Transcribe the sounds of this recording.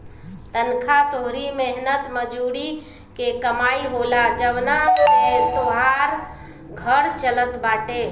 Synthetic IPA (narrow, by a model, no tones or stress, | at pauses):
t̪ənkʰat̪oɦɾimeɦnət̪məd͡ʒuɽi | kekəmaiɦolad͡ʒəʋnamet̪oɦaɾ | ɡʱəɾt͡ʃələt̪baːʈe